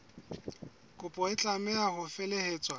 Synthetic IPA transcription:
kʼʊpʼɔɪt͡ɬʼamɛahʊfɛleheːt͡sʼwa

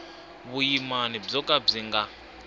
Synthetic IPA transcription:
βujimanib͡ʐɔkʼab͡ʐiŋɡa

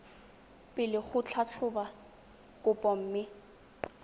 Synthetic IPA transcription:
pʼɪlɪχʊt͡ɬʰat͡ɬʰʊba | kʼʊpʼɔm̩ːmɪ

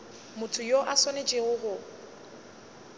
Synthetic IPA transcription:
mʊtʰʊjoʔasɔnet͡ʃʼɪɣʊɦʊ

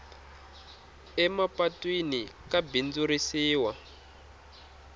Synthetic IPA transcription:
ɛmapatwinikabind͡zuɾisiːwa

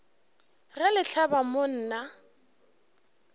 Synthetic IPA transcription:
rɛlɪɬʰabamon̩ːna

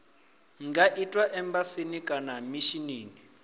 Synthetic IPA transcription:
ŋɡaʔitʼwaʔɛmbasinikʼanamiʃiniːni

